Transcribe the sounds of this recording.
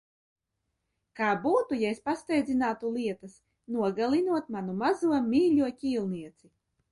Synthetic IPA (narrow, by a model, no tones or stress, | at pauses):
kaːbuːt̪ujaespast̪ɛjd̪zʲinaːt̪ulˠiɛt̪as | nuɔɡalˠinuɔt̪̚manumazuɔmʲiːlʲuɔkʲiːlˠniɛt̪si